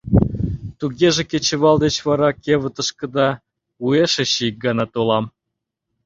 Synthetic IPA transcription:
t̪uɣeʒĕkʲet͡ɕə̆βɑld̪et͡ɕβɑɾɑkʲeβət̪ə̆ʃkə̆d̪ɑ | ueʃĕɕiik̚ɡɑnɑt̪olɑm

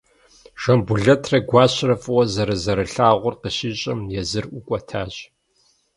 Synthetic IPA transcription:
ʒ̥ɐmbuɮɐtʰrɐɡʷɑːɕrɐfʼɨwɔzɐɾɨzɐɾɨɬaːʁʷʊrqəɕiːɕʼɐmjɛzɨrʔʷʊkʷʼɔtʰaːɕʼ

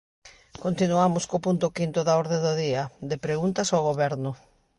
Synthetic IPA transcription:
kont̪inuamʊskopunt̪ʊkint̪ʊðaɔɾðẽdʊðiɐd̪ɪpɾeɣunt̪ɐsawɣoβɛɾnʊ

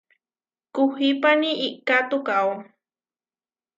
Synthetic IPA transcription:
kʊhipaniʔiʔkat̪ʊkaw

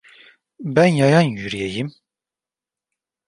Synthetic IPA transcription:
bænjajanjyɾijejim

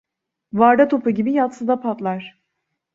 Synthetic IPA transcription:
vaɾd̪at̪ʰo̞pɯɟibijat̪sɯd̪apʰat̪lˠaɾ̥

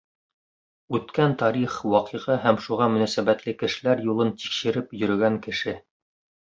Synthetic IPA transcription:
ʉt̪kænt̪ɑɾiχwɑqɤʁɤɦæmʃuʁɑmɵ̆næsæβæt̪lɘkɘ̆ʃɘ̆læɾjulˠɤnt̪i̥kʃɘ̆ɾɘpjɵ̆ɾɵ̆ɡæŋkɘ̆ʃɘ

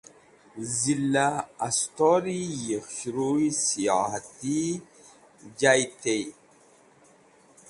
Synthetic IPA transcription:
zilːaast̪oɾijexʃɾuisiahat̪i | d͡ʒajt̪ej

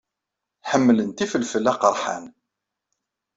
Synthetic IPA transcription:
ħəmːlənt̪ifəlfəlːæqəɾˤħa̰n

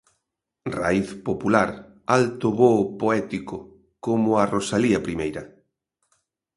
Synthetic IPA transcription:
ra̰iθpopulaɾ | alt̪ʊβopoɛt̪ikʊ | komʊarosaliɐpɾimejɾɐ

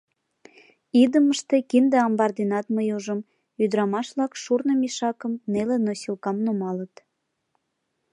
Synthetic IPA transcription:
id̪əməʃt̪e̽kind̪eɑmbɑrd̪inɑt̪məjuʒəm | yd̪əɾɑmɑʃβlɑkʃurnəmiʃɑkəmnelenosilkɑmnomɑlət̪

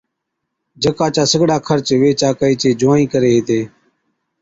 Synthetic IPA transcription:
d͡ʒəkaːt͡ʃaːsəɡɽaːkʰəɾt͡ʃʋeːt͡ʃaːkəiːt͡ʃeːd͡ʒʊʋãːĩːkəɾeːɦeːt̪eː

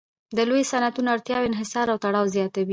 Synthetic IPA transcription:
d̪əlojsanat̪unaɽt̪jɑwɪnɦɪsɑɾawt̪aɽɑwzjɑt̪awi

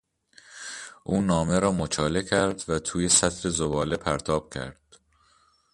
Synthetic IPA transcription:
ʔuːnɒːme̞ɾɒːmot͡ʃʰɒːle̞cʰæɾd̪væt̪ʰuːje̞sæt̪ʰɾe̞zobɒːle̞pʰæɾt̪ʰɒːb̥cʰæ̰ɾd̪̥

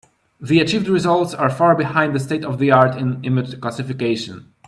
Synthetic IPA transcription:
ðiat͡ʃivdɹizɔltsaɹfaɹbihãjnd̪ðəsteɪtɔvðiaɹtɪ̃nɪmɪd͡ʒklasɪfikeɪʃɔ̰̃n

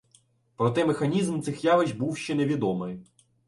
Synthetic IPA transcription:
pɾɔt̪ɛmexɐnʲizmt̪sɪxjɑʋɪʒʲbuwʃt͡ʃɛneʋʲid̪ɔmɪj

